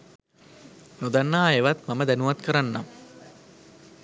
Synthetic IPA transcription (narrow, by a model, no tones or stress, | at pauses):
nod̪anːaːeʋat̪maməd̪ænuʋat̪kəɾanːamə